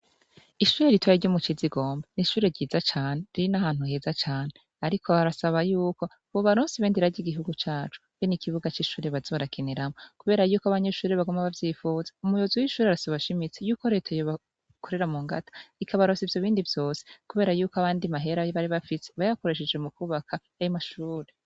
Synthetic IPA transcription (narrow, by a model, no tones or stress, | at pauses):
iʃuːɾeɾitwaiɾɟomut͡ʃiziɡo̞ːmbaniʃuːɾe̞ɾɟiːzat͡ʃaːne̞ɾiɾinahaːn̥huheːzat͡ʃaːne | aɾikʰo̞aɾasaβajuːko̞ | βoβaɾoːnsiβeːndiɾaɟiɡiɦuɡut͡ʃaːt͡ʃu̥βenikiβuɡat͡ʃiʃuːɾeβazo̞ːɾakʰeneɾamokuβe̞ːɾajuːkoaβaɲe̞ʃuːɾeβaɡomaβavjiːfuːzḁumujozuwiʃuːɾeaɾasaβaʃimit͡sejuːko̞ɾe̞ːtʰajoβa | kʰo̞ɾe̞ɾamuːŋɡa̰tḁikʰaβaɾoːsivjo̞βiːndivjo̞ːsekuβe̞ːɾajuːkoaβaːndimaɦe̞ɾajβaɾiβafise̞βajaβako̞ɾe̞ʃ̬ed͡ʒwemukuːβakʰa | ajimaʃuːɾe